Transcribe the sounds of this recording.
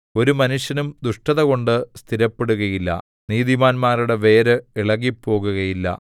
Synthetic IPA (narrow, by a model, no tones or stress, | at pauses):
o̞ɾumɐnuʂjɐnumd̪uʂʈɐðɐɣo̞ɳɖɨst̪ʰiɾɐpːe̞ɽuɣɐjilːɐ̰ | niːðimaːnmaːruɽe̞ʋe̞ːɾɨiɭɐɣːipːo̞ːɣuɣɐjilːɐ̰